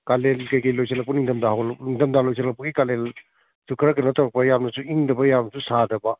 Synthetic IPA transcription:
kalelkɐjkɐjlojsɐlɐk̚pɐniŋdɐmdaɦawlniŋdɐmdalojs̬ʰɐlɐk̚pɐɡikalel | sukʰɐɾɐɡɐnɐtawɾɐk̚pɐjamnɐsuiŋdɐbɐjamsusadɐbɐ

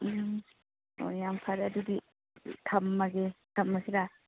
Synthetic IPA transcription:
jam | o̰jampʰaɾɐd̪udi | tʰɐmːɐɡetʰɐmːɐsida

